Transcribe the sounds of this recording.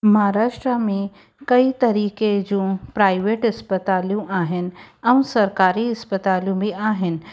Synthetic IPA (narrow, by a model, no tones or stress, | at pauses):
mɐɦaɾaːʃʈɾamẽ | kɐit̪ɐɾiːked͡ʑũpɾaːɪʋeːʈɐspət̪aːljũʔaːɦɪn̆ɐ̃ũsɐɾkaːɾiɐspət̪aːljũbʱiaːɦɪn̆